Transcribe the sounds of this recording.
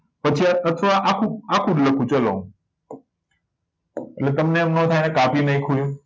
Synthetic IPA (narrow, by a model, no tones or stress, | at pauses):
pət͡ʃʰiaət̪ʰʋaʔakʰũakʰũdləkʰũt͡ʃəlõ̰ | eʈlet̪əmneəmnõt̪ʰajnekapinəɦĩkʰujũ